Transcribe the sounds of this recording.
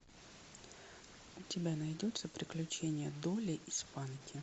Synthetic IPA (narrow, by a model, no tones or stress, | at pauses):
ʊtʲɪbʲanɐjdʲo̞t̪səpɾʲɪklʲʉt͡ɕenʲɪjəd̪olʲɪʔɪspankʲɪ